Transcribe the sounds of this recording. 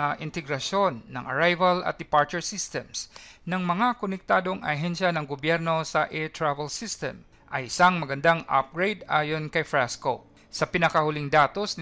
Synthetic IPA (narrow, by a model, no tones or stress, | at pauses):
ʔɪnt̪ɛɡɾɐʃjo̞nːɐ̰ŋʔɐ̰ɹajvɐlɐ̰t̪̚d̪ɪpaɹt͡ʃɛɹsist̪ɛmsnɐŋmɐŋakonɛk̚t̪aːd̪oŋʔɐ̰ɦɛnʃɐnɐŋɡobjɛɾno̞sɐʔɛt̪ɹavɛlsist̪ɛ̰m | ʔɐjɪsaŋmɐɡɐnd̪aŋa̰p̚ɡɹejd̪aːjonkɐjfɹasko | sɐpɪnɐkɐhʊlɪŋd̪aːt̪osn